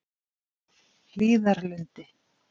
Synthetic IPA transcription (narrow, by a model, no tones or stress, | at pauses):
l̥iːðaɾlʏnt̪ɪ